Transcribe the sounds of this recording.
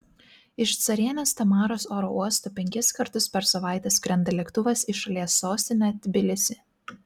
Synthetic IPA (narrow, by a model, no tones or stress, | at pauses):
ɪʃt̪sɐɾʲiɛnʲeːst̪ɐmɑːɾoːsoːɾouɔst̪oːpʲɛŋʲkʲɪskɐɾt̪ʊspʲɛɾsɐʋɑˑɪt̪ʲɛskɾʲɛnd̪ɐlʲɛkt̪ʊʋɐsiʃɐlʲiɛsːoːsʲt̪ʲɪnʲɛt̪ʲbʲɪlʲɪsʲɪ